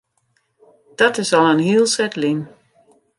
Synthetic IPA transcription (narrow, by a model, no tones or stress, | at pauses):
d̥ɔtɪsɔlˠənhiəlˠsɛtlin